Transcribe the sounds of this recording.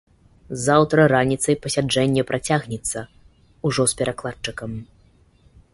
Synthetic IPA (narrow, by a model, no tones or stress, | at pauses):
zawt̪ɾɐɾanʲit̪sɐjpɐsʲad͡ʐɛnʲːɛpɾʔat͡sʲaɣnʲɛt̪sːɐ | uʐɔspʲɛɾʔaklˠat͡ʂɨkɐm